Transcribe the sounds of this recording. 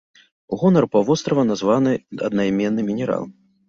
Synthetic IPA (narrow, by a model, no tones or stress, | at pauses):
ɣɔnɐrpavɔst̪ɾɐvɐnazvanɨɐ̰d̪najmʲɛnːɨmʲinʲɛɾa̰lˠ